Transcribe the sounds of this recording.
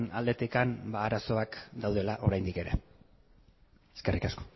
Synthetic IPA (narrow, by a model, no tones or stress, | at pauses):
na̰ld̪e̞t̪ikanbaːɾaso̞akd̪awðe̞laʔo̞ɾajnd̪ike̞ɾe̞̰ | eskerʔikasko̥